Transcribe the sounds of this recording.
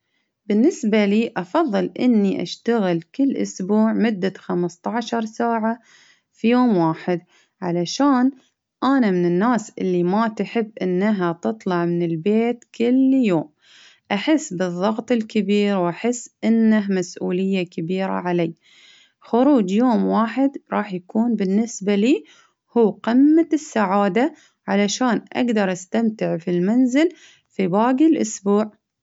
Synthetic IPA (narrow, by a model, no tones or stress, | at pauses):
bɪnːɪsbaliːʔɑfɑðˤːɨlʔɪ̰nːiʔa̰ʃt̪aɣɪlkɪlːʔʊ̰sbuːʕmʊd̪ːaxamst̪ˤɑʕʃɑɾˤsaːʕa | fijoːmwaːħɪd̪̚ | ʕalaʃaːn | ʔanamɪnɪnːaːsʔɪlːimat̪ħɪbːʔɪnːaɦat̪ɨt̪ˤlɑʕmɪnɪlbeːt̪kɪljoːm | ʔaħɪsːbɨðˤːɑɣt̪ˤɪlkabiːɾwʔaħɪsːʔɪnːaɦmasʔuːlɪjːakabiːɾa̰ʕaleː | xʊɾuːd͡ʒjoːmwaːħɪd̪ɾˤɑːħjakuːnbɪnːɪsbaliː | huːqɪmːasːaʕaːd̪a | ʕalaʃaːnʔa̰ɡd̪ɑɾˤʔast̪amt̪ɪʕfilmanzɪl | fibaːɡilʔʊsbuːʕ